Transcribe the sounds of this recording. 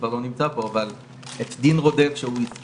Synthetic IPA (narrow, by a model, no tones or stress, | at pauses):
vaʁlo̞nimt͡sapo̞aval | et̪d̪inʁo̞d̪efʃeuis